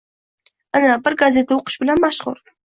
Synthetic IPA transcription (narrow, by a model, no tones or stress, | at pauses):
anabɪɾɡazʲe̞t̪ʰaʊqʊ̥ʃbɪlanmaʃʁʊ̰ɾ